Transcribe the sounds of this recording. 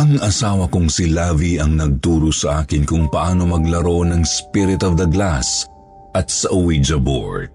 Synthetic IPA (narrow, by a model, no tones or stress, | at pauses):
ʔɐŋɐsaːwɐkʊŋsɪlaːviɐŋnɐɡ̚t̪uːɾosɐʔaːkɪnkʊŋpɐʔaːno̞mɐɡlɐɾo̞nɐŋspiɾɪt̪ɔvd̪ɐɡlas | ʔɐt̪̚sɐʔʊwid͡ʒɐbo̰ɹd̪̚